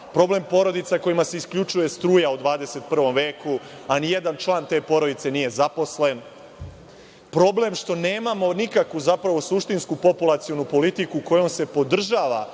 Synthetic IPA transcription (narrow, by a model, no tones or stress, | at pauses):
pɾo̞ble̞mpo̞ɾo̞d̪it̪sako̞jimase̞iskʎʲut͡ʂuje̞st̪ɾuːjaud̪ʋaːd̪e̞se̞t̪̚pr̩ʋo̞mʋe̞ːkuanijed̪ant͡ʃlˠaːnt̪e̞ːpo̞ɾo̞d̪it̪se̞niːje̞zapo̞sle̞n | pɾo̞ble̞mʃt̪o̞ne̞ːmamo̞nikakʋuzapɾaʋo̞suʃt̪inskupo̞pulˠat̪sio̞nupo̞lit̪ikuko̞jo̞mse̞po̞d̪r̩ʒaːʋa̰